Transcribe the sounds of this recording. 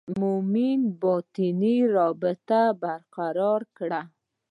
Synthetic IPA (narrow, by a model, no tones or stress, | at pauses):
muminbɑt̪iniɾɑbɪt̪abaɾqaɾɑɾkɽa